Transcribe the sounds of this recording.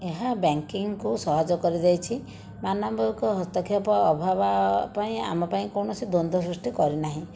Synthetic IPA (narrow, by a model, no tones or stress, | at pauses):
eɦabaŋkiŋkusɔɦad͡ʒɔkɔɾid̪ejt͡ʃʰi | manambʱɔikɔɦɔst̪ɔkʰjɔpɔːbʱabapaĩa̰mɔpaĩkɔwɳ̃ɔsid̪ond̪ʱɔs̬ɾusʈikɔɾinaɦĩ